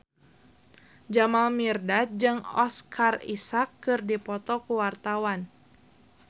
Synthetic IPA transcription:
d͡ʒamalmirdad͡ʒɨŋɔskʰarḭsakːɨrdipɔt̪ɔkuwart̪awan

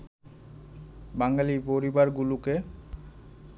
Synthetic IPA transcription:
baŋalipoɾibaɾɡuluke

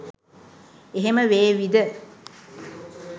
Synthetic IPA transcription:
eɦeməʋeːʋid̪ə

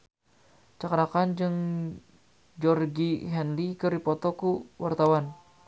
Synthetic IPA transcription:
t͡ʃakɾakand͡ʒɨŋ | d͡ʒɔrɡiɦɛnlikəɾipɔt̪ɔkuwart̪awan

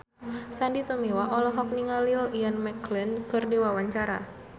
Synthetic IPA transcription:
sandit̪umiwaʔɔlɔɦɔk̚niŋalilianmɛklinkɨrdiwawaɲt͡ʃaɾa̰

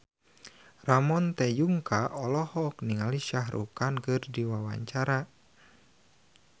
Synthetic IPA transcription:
ramɔnt̪ɛjuŋkaʔɔlɔhɔk̚niŋaliʃaɦɾʔṵkankɨrdiwawa̰ɲt͡ʃaɾa

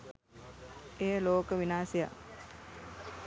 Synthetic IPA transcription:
eːloːkəʋinaːseja̰

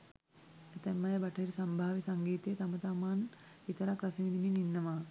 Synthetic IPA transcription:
et̪ɛmːɐjɐbɐʈʰɐɾisɐmbʱaːʋisɐŋɡiːt̪ejet̪ɐmɐt̪amaːn | it̪ɐɾakɾɐsiʋid̪imininːɐʋa

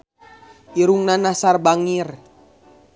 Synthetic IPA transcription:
ʔiɾuŋnanasarbaŋir

